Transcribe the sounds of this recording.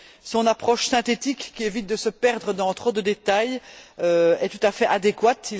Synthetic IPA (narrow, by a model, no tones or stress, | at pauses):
sɔ̃napχɔʃsɛ̃t̪et̪ikːʲievit̪̚d̪əsəpɛʁd̪ʁəd̪ɑ̃t̪χod̪əd̪et̪ajøɛt̪ut̪afɛʔad̪ekwat̪i